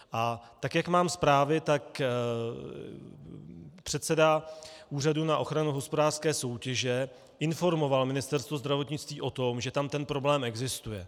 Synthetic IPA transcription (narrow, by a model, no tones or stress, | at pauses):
ʔat̪akjakmaːmspɾaːvɪt̪ak | pr̥ɛt̪sɛdaʔuːradunaʔo̞xɾanuɦo̞spo̞daːr̥skɛːso̞wcɛʒɛ | ʔɪnfo̞ɾmo̞valmɪnɪst̪ɛɾst̪vozd̪ɾavo̞t̪ɲɪt͡st̪viːʔo̞t̪o̞mʒɛt̪amt̪ɛnpɾo̞blɛːmɛɡzɪst̪ujɛ